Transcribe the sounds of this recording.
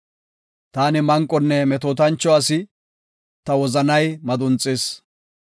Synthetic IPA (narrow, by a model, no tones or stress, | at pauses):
t̪aːnɪmɐŋkʼːɔnːɛmɛt̪oːt̪̬ɐnt͡ʃːɔɐsɪ | t̪ɐwɔzɐnɐjmɐd̪ʊnt͡sʼːeːs